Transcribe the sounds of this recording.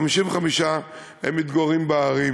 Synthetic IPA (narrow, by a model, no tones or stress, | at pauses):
miʃimveχamiʃa | hḛmːit̪ɡoʁimbeaʁi